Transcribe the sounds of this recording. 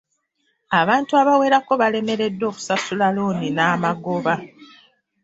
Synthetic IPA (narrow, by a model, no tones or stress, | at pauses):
aβaːntuaβawe̞ːɾako̞βale̞me̞ɾe̞dːo̞ːku̥sasulaloːninaːmaɡo̞βa